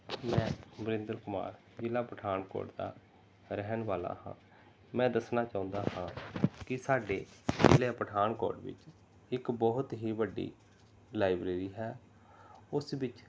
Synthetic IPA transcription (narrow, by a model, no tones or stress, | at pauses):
mɛ̃ːbəɾɪ̃nd̪əɾkʊma̰ːɾ | d͡ʒɪlaːpəʈʰaːnkɔ̰ːʈd̪a̰ː | ɾɛɦənʋaːla̰ːhã̰ː | mɛ̃ːd̪əsnaːt͡ʃaːʊ̃nd̪aːhãːkɪsaːɖeːd͡ʒɪleːpəʈʰaːnkɔ̰ːɖʋɪ̰t͡ʃ | ɪkbɔːɦʊt̪ɦiːbəɖḭː | laːibɾeːɾiːɦɛː | ʊsʋɪt͡ʃ